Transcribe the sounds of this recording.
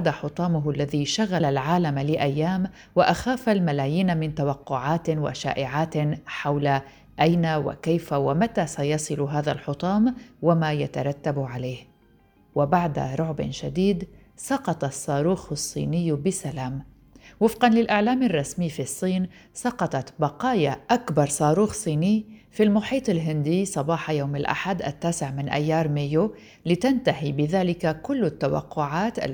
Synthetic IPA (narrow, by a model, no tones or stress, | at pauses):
d̪aħʊt̪ˤɑːmʊɦʔlːaðiːʃaɣalalʕaːlamlɪʔajːaːm | waʔaxaːfalmalaːjiːnamɪnt̪awɑqːʊʕaːt̪wa̰ʃa̰ːʔɪʕaːt̪ħawla | ʔajnawa̰kajfawamat̪asajɑsˤɨlɦaːðalħʊt̪ˤɑːmwamaːjat̪aɾˤɑt̪ːabʕalajh | wabaʕd̪a̰ɾˤʊʕbɪ̰nʃad̪iːd̪ | sɑqɑt̪ˤɑsˤːɑːɾuːxsˤːḭːnɪjːbɪsalaːm | wɪfqɑnlɪlʔaʕlaːmɪrˤːɑsmiːfisˤːiːnsɑqɑt̪ˤɑt̪bɑqɑːjaʔakbɑɾˤsˤɑːɾuːxsˤiːnɪjfilmʊħiːt̪ˤɪlɦɪnd̪iːsˤɑbɑːħɑjaːmɪlʔa̰ħad̪ʔa̰t̪ːaːsɪʕmɪnʔa̰jːɑːɾˤmɪjo | lɪt̪ant̪ahibɪðaːlɪkakʊlːat̪ːawa̰qːʊʕaːt̪ʔa̰l